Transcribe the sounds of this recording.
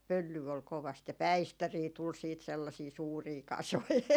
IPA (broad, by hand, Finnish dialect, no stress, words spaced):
pølːyː ol koʋɑst jɑ pæistæriː tul siːt selːɑsiː suːriː kɑsoi